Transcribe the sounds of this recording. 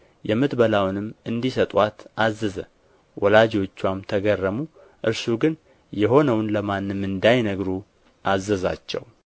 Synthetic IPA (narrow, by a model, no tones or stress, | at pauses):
jɛmːɨt̪bəlawnɨmɨnd̪isət̪ʼwat̪azːəzə | wʔɔlad͡ʒo̞t͡ʃːwamt̪ʰəɡərːəmu | ʔɨɾsuɡɨn | jɛɦo̞nəwnləmanːɨmːɨnd̪ajnəɡɾu | ʔazːəza̰t͡ʃːɛ̰w